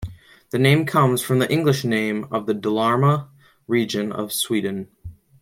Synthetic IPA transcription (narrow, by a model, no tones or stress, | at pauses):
ðɨnẽɪ̃mkʰʌ̃mz̥fɹʌ̃mðiʔɪ̃ŋɡlɨʃnẽɪ̃mʌ̰vðɨdəlɑɹmə | ɹid͡ʒɨ̃nʌ̰v̥swidⁿn̩